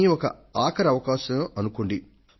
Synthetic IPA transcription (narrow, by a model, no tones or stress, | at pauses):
iɔkɐ̰aːkɐɾɐʋɐkaːʃɐʔɐnukoɳɖi